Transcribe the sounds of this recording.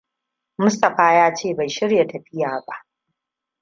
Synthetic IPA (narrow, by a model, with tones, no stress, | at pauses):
mʊ˦stɐ˨ɸaː˦jaː˦t͡ʃeː˦˨ba˨jʃɪ˦ɾja˨tɐ˨ɸɪ˦jaː˨ba˦ʔ